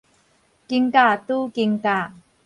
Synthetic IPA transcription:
kiŋka˥˨tu˦ki˧ŋka˥˨

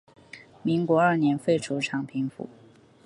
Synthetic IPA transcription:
mi˧˥ŋkwɔ˧˥ə˞˥˩njɛ˧˥nfe˥˩ɪʈ͡ʂʰu˧˥ʈ͡ʂʰɑ˨˩ŋpʰi˧˥ŋfṵ˨˩˦

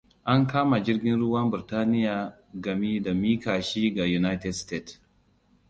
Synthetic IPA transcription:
ʔa˦ŋkaː˦ma˨d͡ʒɪ˦ɾɡʲɪ˦nɾʊ˦wa˦mbɪ˨ɾtaː˦nɪ˦ja˨ | ɡa˨mi˦da˨miː˦kaː˨ʃiː˦ɡa˨ju˨na˦tɛ˨dste˦˨ts

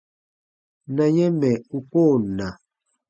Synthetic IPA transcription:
na˨ɲɛ˦mɛ˨u˨ko˦˨na˨

